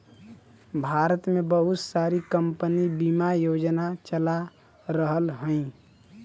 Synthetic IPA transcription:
bʱaːɾət̪mebəɦʊt̪saɾikəmpənibimajoːd͡ʒnat͡ʃəla | ɾəɦəlɦə̃ĩ

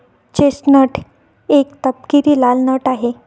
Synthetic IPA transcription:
t͡ɕesʈnəʈʰ | ekt̪əp̚kiɾiːlalnəʈaɦe

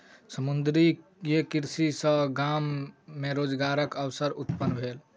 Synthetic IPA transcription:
səmund̪ɾi | jekiɾsisə̃ɡamːeɾod͡ʒɡaɾəkəwsəɾut̪pənːbʱel

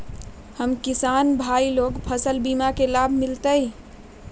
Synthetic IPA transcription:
həmkisanbʱailoɡpʰəsəlbimakelabʱmɪlt̪əj

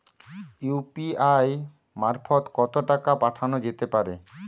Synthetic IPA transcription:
jupiaj | maɾfʰot̪kɔt̪oʈakapaʈʰanod͡ʑet̪epaɾe

